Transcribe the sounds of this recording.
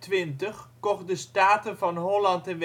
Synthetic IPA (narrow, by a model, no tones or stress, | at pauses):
tʋɪntəχkɔχdəstaːtənvɑnɦɔlɑntɛnʋ